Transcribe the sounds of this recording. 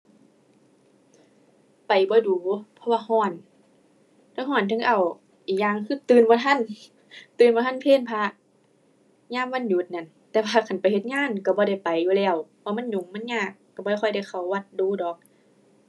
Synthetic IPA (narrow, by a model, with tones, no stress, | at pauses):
pa˨˩jbɔː˧˦duː˨˦pʰɔ˧waː˧hɔː˧˩n | la˧˦ɦɔː˧˩˨nt̪ʰɯ˧ŋʔa˨˩w | ʔiː˨˩k̚ɲaː˧˨ŋkʰɯː˧˩˨t̪ɯː˧˨nbɔː˧˦t̪ʰa˧˥˨n | t̪ɯː˨˧˨nbɔː˧a˧˥˨npʰeː˧˥˨npʰa˧ | ɲaː˧˥˨mwaː˧˥˨nɲu˧˦t̪̚na˧˨n | t̪ɛː˧wʰaː˧kʰa˨˩npa˨˩jhe˧t̪̚ŋaː˧˥˨nka˧˩bɔː˧˦ɾa˧˩jpa˨jːuː˧lɛː˧˩wwaː˧ma˧˥˨nɲu˨˦ŋma˧˥˨nɲaː˧˩kːa˧˩bɔː˧˨˧xɔ˧˩jda˧˩jkxa˨˩wːa˧˩t̪̚duː˨˧˦dɔː˨˦k̚